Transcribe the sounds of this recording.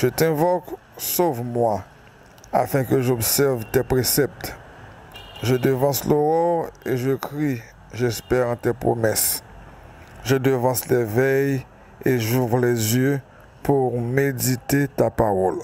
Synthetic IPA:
ʒ̥ət̪ɛ̃vɔk | sovmwa | a̰fɛ̃kəʒɔbsɛʁvt̪ɛpʁesɛp̚t̪ | ʒəd̪əvɑ̃sloʁɔʁeʒəkʁi | ʒɛspɛʁɑ̃t̪ɛpχo̰mɛs | ʒəd̪əvɑ̃slɛvɛj | eʒuvʁlɛzjø | pʰuʁmed̪it̪et̪apaʁɔl

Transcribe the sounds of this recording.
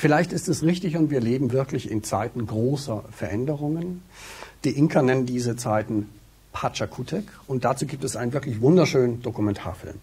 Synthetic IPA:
fɪlaɪçtɪstɛsʁɪçtɪçʊntv̥iːɐleːbm̩vɪɐklɪçɪ̰nt͡sa̰ɪtn̩ɡʁoːsɐfɛɐʔɛndəʁ̞ʊŋən | d̥iːʔɪŋkʰɐnɛnəndiːzət͡saɪtn̩ | pʰat͡ʃakʰutʰɛk | ʊnt̚d̥at͡suːɡiːp̚tɛsʔaɪnənvɪɐklɪçv̥ʊndɐʃøːnənd̥okumɛntʰa̰ːɐfɪ̰lm

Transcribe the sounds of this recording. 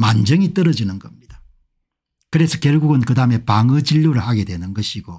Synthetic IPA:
mand͡ʑʌŋit͈ʌɾʌd͡ʑinɯnɡʌmɲid̥a | kɯɾe̞sʰʌkjʌɭɡuɡɯnkɯdaɯme̞paŋɯd͡ʑiʎːuɾɯɭhaɡe̞dwe̞nɯnɡʌɕʰiɡo

